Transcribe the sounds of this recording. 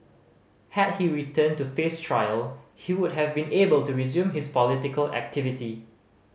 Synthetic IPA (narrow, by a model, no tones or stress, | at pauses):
hɛd̚hiɹitʰə̃ntufestʰɹaɪəlhiwʊdɦɛvbĩnebəltuɹizjũmɦɪspɔlɪtɪkəlɛ̰k̚tʰɪvɪti